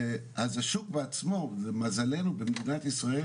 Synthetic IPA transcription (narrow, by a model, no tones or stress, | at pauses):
azaʃuk̚beat͡smo̞zemazale̞nubemd̪inat̪isʁae